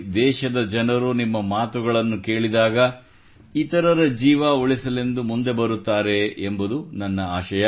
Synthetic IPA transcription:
d̪ɛːʃɐd̪ɐd͡ʒɐnɐɾunimːɐmaːt̪uɡɐɭɐnːuke̞ːɭid̪aːɡɐ | it̪ɐɾɐɾɐd͡ʒiːʋaoɭisɐle̞nd̪umund̪e̞bɐɾut̪ːaːɾe̞ːmbud̪unɐnːɐaːʃɐjɐ

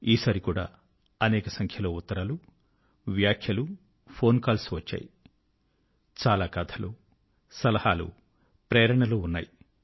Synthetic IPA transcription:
iːsaːɾikuːɽa̰ː | ɐnɛːkɐsɐŋkʰjɐloːut̪ːɐɾaːlu | ʋjaːkʰjɐlu | pʰo̞ːnkaːlsʋɐt͡ʃːa̰ːji | t͡ʃaːlaːkɐt̪ʰɐlu | sɐlɐhaːlṵ | pɾeːɾɐɳɐloːunːa̰ːji

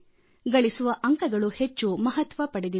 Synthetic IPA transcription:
ɡɐɭisuʋɐʔɐŋkɐɡɐɭuhet͡ʃːumɐɦɐt̪ʋɐpɐɽid̪i

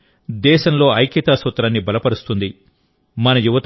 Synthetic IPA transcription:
d̪ɛːʃɐmlo̞ːɐjkit̪aːsɐt̪ɾaːnːibɐlɐpɐɾust̪und̪i | mɐnɐjuʋɐt̪

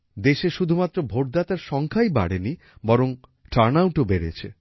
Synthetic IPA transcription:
d̪eʃeʃud̪ʱumat̪ːɾobʱoʈ̚d̪at̪aɾʃɔŋkʰajba̰ɽeni | bɔɾoŋ | ʈʰaɾnawʈobeɾḛt͡ɕʰe

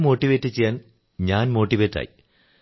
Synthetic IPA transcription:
mo̞ːʈːiʋeːtːɨt͡ɕːejːaːn | ɲaːnmo̞ːʈːiʋeːtːa̰ːji

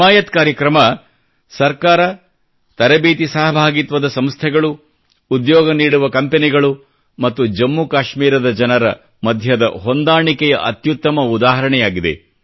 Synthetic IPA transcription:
aːjɐt̪kaːɾjɐkɾɐmɐ | sɐɾkaːɾɐ | t̪ɐɾɐbiːt̪isɐɦɐbʱaːɡit̪ʋɐd̪ɐsɐmst̪ʰɛɡɐɭuː | d̪jɔːɡɐniːɽuʋɐkɐmpeniɡɐɭu | mɐt̪ːud͡ʒɐmːukaːʃmiːɾɐd̪ɐd͡ʒɐnɐɾɐ | mɐd̪ʱjɐd̪ɐ̰ɦo̞nd̪aːɳikɛjɐʔɐt̪jut̪ːɐmɐud̪aːɦɐɾɐɳɛjaːɡid̪e̞̰

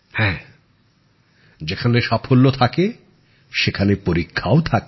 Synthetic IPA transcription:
hɛ̃ː | d͡ʑekʰaneʃapʰolːot̪ʰake | ʃekʰanepoɾikʰːaot̪ʰake

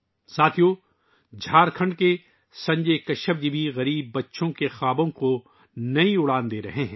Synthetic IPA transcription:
saːt̪ʰijo | d͡ʒʱaːɾkʰɐ̃ɳɖke | sɐ̃ɲd͡ʒekɐʃəbd̪ibʱiɣɐɾiːbːɐtːʃõkexaːbõko | nɐĩʊɽaːnd̪eːɾɐɦeɦɛ̃ː

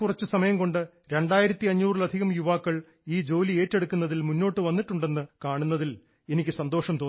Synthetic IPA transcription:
kurɐt͡ɕːɨsɐmɐjɐmko̞ɳɖɨ | ɾe̞ɳɖaːjiɾɐt̪ːiɐɲːuːrilɐd̪ʱiɣɐmjuʋaːkːɐɭ | iːd͡ʑo̞ːlie̞ːtːe̞ɽukːunːɐðilmunːo̞ːʈːɨʋɐnːiʈːuɳɖe̞nːɨkaːɳunːɐðil | e̞nikʲːɨsɐnd̪o̞ːʂɐmt̪oː

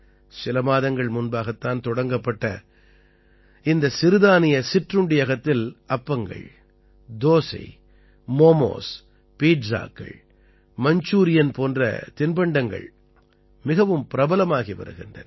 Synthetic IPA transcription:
sɪlɐmaːðɐŋɡɐɭmʊnbaːɣɐt̪ːaːnt̪ɔɽɐŋɡɐpːɐʈːɐ̰ | ɪnd̪ɐsɪɾɯðaːnɪjɐsɪʈrɯɳɖɪjɐɣɐt̪ːɪlɐpːɐŋɡɐ̰ɭ | d̪oːsɐ̰ɪ | moːmo̰ːs | piːʈsa̰ːkːɐ̰ɭ | mɐɲt͡ʃuːɾɪjɐnpoːndrɐ̰t̪ɪnbɐɳɖɐŋɡɐ̰ɭ | mɪɣɐʋɯmpɪɾɐbɐlɐmaːɣiʋɐ̰ɾɯ̰ɣɪndrɐ̰n

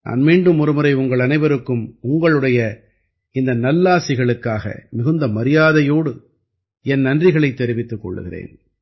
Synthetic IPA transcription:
nʔa̰ːnmiːɳɖɯmɔɾɯmɯɾɐɪʊŋɡɐɭɐnɐɪʋɐɾɯkːɯmʊŋɡɐɭɯɽɐjɐ | ɪnd̪ɐnɐlːaːsɪɣɐɭɯkːaːɣɐ̰mɪɣɯnd̪ɐmɐɾɪjaːðɐjoːɽɯ | ɛnnɐndrɪɣɐɭɐɪt̪ːɛɾɪʋɪt̪ːɯkːɔ̰ɭːɯ̰ɣɪrḛːn

